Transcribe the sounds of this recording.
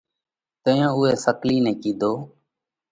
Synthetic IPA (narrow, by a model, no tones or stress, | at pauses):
t̪ə̃ːjãːʊːɦɛːsəkliːnɛ̃ːkiːd̪ʱoː